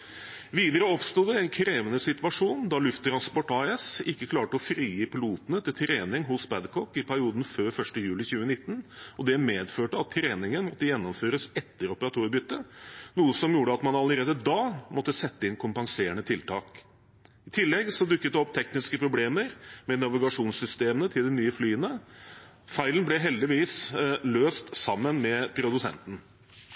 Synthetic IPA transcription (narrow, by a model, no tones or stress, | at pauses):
ʋiːd̪əɾəɔpst̪uːd̪ɛɛɪnkʰɾeːʋənəsɪt̪ʋɑʂuːnd̪ɑlʉft̪ʰːɾɑnspɔʈɑɛsɪkːəkʰlɑːʈəɔfɾiːəpɪluːt̪ənət̪ʰɪlt̪ʰɾeːnɪŋɦʊsbæd̪kʰɔkːɪpʰæɾɪuːd̪n̩føːɾfœʂʈəjʉːlɪçʉːənɪt̪ːnɔd̪ɛmeːd̪føːʈəɑt̪ʰːɾeːnɪŋənmɔt̪ːəjɛnːɔmføːɾəsɛt̪ːəɾɔpəɾɑt̪ʰuːɾbʏt̪ːənuːəsɔmjuːɖəɑt̪mɑnɑləɾeːd̪əd̪ɑːmʔɔt̪ːəsɛt̪ːəɪnkʰʊmpɑŋseːɳət̪ʰɪlt̪ʰɑ̰ːk | ɪt̪ʰɪlːɛɡsɔd̪ʉkːət̪̚d̪ɛɔp̚ːt̪ʰɛknɪskəpʰɾʊbleːməɾmɛnɑʋɪɡɑʂuːnsʏst̪eːmənət̪ʰɪld̪ɛnyːəflyːənə | fæɪlənblɛɦɛld̪ɪʋiːsløːst̪sɑmːənmɛpʰɾʊd̪ʉsɛ̰nt̪n̩